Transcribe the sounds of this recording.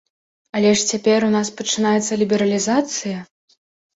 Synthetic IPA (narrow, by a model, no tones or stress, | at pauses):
ɐlʲɛʂt͡sʲapʲɛɾunaspɐt͡ʂɨnajɛt̪sːɐlʲibʲɛɾɐlʲizat̪sɨjɐ